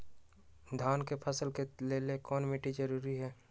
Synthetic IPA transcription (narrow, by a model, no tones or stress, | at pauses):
d̪ʱaːnkepʰəsəlkeleːlekɔːnmiʈid͡ʒəɾuːɾiɦɛː